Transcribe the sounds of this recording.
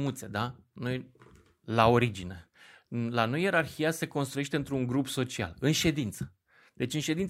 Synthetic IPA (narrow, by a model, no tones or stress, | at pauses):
mut̪se̞d̪a | noj | lao̞ɾid͡ʒine̞ | lanoje̞ɾarçijase̞ko̞ns̬t̪ɾue̞ʃ̬t̪e̞ɨnt̪ɾuŋɡɾupso̞t͡ʃia̰lɨnʃe̞d̪int̪sə̥ | d̪̥e̞t͡ʃʲɨnʃe̞d̪in